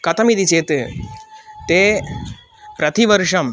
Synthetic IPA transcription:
kɐt̪ɐmid̪it͡ʃeːt̪ɨ | t̪eː | pɾɐt̪iʋɐɾʂɐm

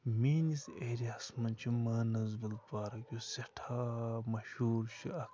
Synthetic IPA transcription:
miːniseːɾiaːsmɐnt͡ʃʰimaːnɐzbilpaːɾɐkʲjoseʈʰaːmɐʃuːɾʃʰiɐk

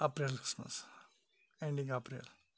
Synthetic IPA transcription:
apɾilkɾi̥smə̰s | ẽɳɖĩŋɡapɾḭl

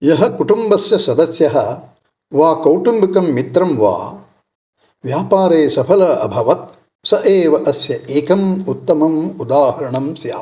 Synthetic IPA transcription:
jɐɦɐkuʈumbɐsjɐsɐd̪ɐsjɐɦɐ | ʋaːkɐwʈumbikɐmːit̪ɾɐmʋa̰ː | ʋjaːpaːɾeːsɐpʰɐlɐɐ̰bʱɐʋɐt̪̚ | sɐʔeːʋɐʔɐsjɐeːkɐmut̪ːɐmɐmud̪aːɦɐɾɐɳɐmsja̰ː

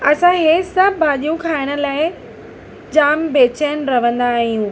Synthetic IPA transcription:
ɐsãɦesɐbbʱaːɗijũkʰaːɪɽ̃ə̆laːɪ | d͡ʑaːmbeːt͡ɕən̆ɾɐʋ̤ə̃nd̪aːɦijũː

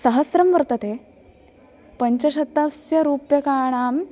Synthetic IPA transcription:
sɐɦɐsɾɐmʋɐɾt̪ɐt̪e | pəɲt͡ɕɐɕɐt̪ːɐsjɐɾuːpjɐkaːɳ̃aːm

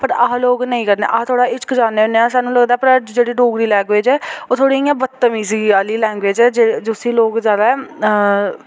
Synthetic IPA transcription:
pəɾaːloːɡnəĩːkəɾnḛːʔaːt̪ʰoːɽaːɪt͡ʃkd͡ʒaːneːneːãːsaːnːũːləɡd̪aːpəɾd͡ʒeːɽiːɖoːɡɾiːlɛːɡʋeːd͡ʒɛːoːt̪ʰoːɽiːĩãːbət̪ːəmiːsiːaːliːlɛ̃ːŋɡʋeːd͡ʒɛːd͡ʒed͡ʒʊsiːloːɡd͡ʒaːd̪aːɛ

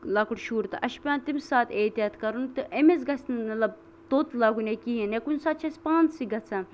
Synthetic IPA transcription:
lakuɽʃuːɾt̪ɨʔɐʃpʲjaːnt̪imsaːt̪eːt̪ijaːt̪kɐɾunt̪ɨʔemezɡɐsnɨmɐlɐb̚ | t̪oːt̪laːɡunekiinekunsaːt̪̚t͡ʃʰɐsʲpãːnt͡ssiɡɐt͡sʰɐ

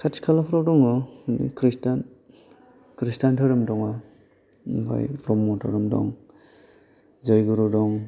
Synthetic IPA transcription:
kʰatʰi̥kʰalapʰɾawdɔŋɔnḭkɾistan | kɾistantʰaɾɯmdɔŋa | ba̰jpɾɔmːɔtʰaɾɯmdɔ̰ŋ | zɔjɡɯɾɔdɔŋ

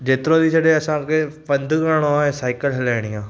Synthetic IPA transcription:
d͡ʒeːt̪ɪɾõd̪isɐɗeɐsãkepɐ̃nd̪ʱkəɾɽ̃oaːẽsaːɪkəlɦɐlaːɽ̃ijãː

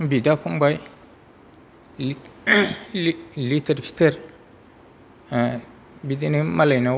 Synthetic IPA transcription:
bidapumbai | litəɾpi̥təɾ | bidinimalana

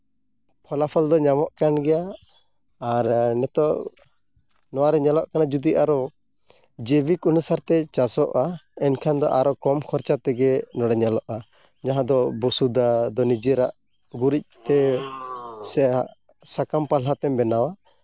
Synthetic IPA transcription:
pʰɔlapʰɔld̪ɔɲamɔʔkanɡɛjaː | ɾnɛt̪ɔʔ | nɔwaɾɛɲɛlɔʔkanad͡ʒud̪iʔaɾɔ | d͡ʒɛbikunusaɾt̪ɛt͡ʃasɔʔaɛnkʰand̪ɔʔaɾɔkɔmkʰɔɾt͡ʃat̪ɛɡɛnɔɽɛɲɛlɔʔa | d͡ʒaɦãd̪ɔbusud̪ad̪ɔnid͡ʒɛɾaʔ | ɡuɾic̚t̪ɛ | sɛa | sakampalat̪ɛmbɛnawa

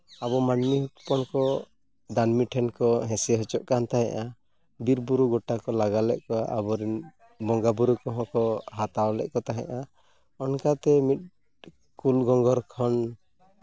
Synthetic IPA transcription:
aβɔmanmiɦut̪pɔnkɔ | d̪anmiʈʰɛnkɔɦɛ̃sɛɦɔt͡ʃɔʔkant̪aɦɛ̃ʔa | biɾbuɾuɡɔʈakɔlaɡalɛʔkɔʔa̰bɔɾin | bɔŋɡabuɾukɔɦɔ̃kɔɦat̪awlɛ̰ʔkɔt̪aɦɛ̰̃ʔa | ɔnkat̪ɛmit̪̚ | kulɡɔŋɡɔɾkʰɔn

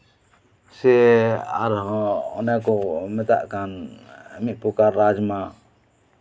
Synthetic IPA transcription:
sɛa̰ɾɦɔ̃ɔ̰nakɔmɛt̪a̰ʔkanamiʔ̚pukaɾad͡ʒma

